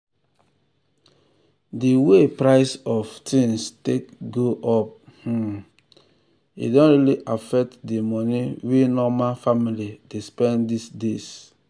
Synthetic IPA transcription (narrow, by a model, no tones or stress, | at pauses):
diwepɾaɪsɔftĩnstekɡoʔɔp̩̚ | ḭdɔ̃nɾiliʔafɛk̚tdimɔniwenɔmafamilidespɛ̃ndisdes